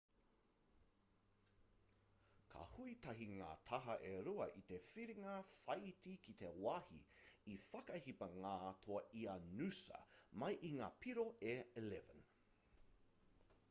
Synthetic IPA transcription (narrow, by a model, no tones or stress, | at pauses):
kʰa̰huit̪ɐɦiŋa̰ːt̪ʰɐɦɐʔeɾuɐʔit̪efiɾiŋɐfɐjtikʰit̪ewahḭːfɐkɐhipɐŋaːt̪ʰoɐʔiɐnʉsɐ̰mɐjʔiŋaːpʰiɾoʔeilɛvə̰n